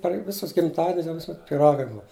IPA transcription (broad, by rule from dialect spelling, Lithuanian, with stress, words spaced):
pʲɛr ˈʋʲɪsʊs ɡʲɪmˈtɑːdʲɪnʲʊs jɛʊ ˈʋʲɪsʊˈmʲɛt pʲiːˈrɑːɡɐɪ ˈbʊɐ